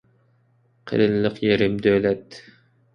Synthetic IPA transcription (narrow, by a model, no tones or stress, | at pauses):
qʰḛɾɨlːɨqjeɾɪmd̪ølɛt̪ː